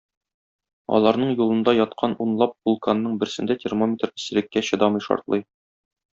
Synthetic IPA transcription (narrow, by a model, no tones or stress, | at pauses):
ɒ̰lˠɑɾnɤɴjulˠɤ̆nd̪ɑjɒt̪qʰɑnunlˠɑp̚bulˠkanːɤɴbɘ̆ɾsɘ̆nd̪æt̪ʲermomʲet̪rɘ̥̆sɘ̆lɘ̆kːæɕɤ̆d̪ɑmɤjʃɒ̰ɾt̪lˠɤj